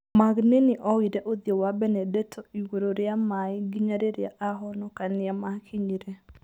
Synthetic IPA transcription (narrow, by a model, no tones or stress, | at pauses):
maɡnenɪʔɔwiɾɛʔoðjɔwabɛnɛdɛtʰɔiwoɾoɾjamaiɡiɲaɾeɾɪaʔaɦɔnɔkanɪamakʰiɲiɾɛ